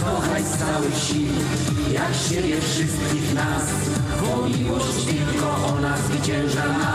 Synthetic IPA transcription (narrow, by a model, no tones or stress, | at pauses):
ɔnajst̪awɛɕiw | jakɕebʲɛfʂɪst̪̚kʲiɣnas | ɔmʲiwɔɕt͡ɕt͡ɕilkɔʔɔnazvɘt͡ɕɛ̃w̃ʐana